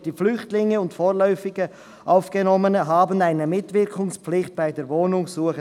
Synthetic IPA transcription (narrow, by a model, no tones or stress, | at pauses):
d̥iːflʏçtlɪŋəʊntfoːʁlœʏfɪɡə | ʔaʊfɡ̥ənɔmənəɦɑːbənaɪnəmɪtv̥ɪɾkʰʊŋspp͡flɪçt̚b̥aɪdeːɾvoːnʊŋsuːəχə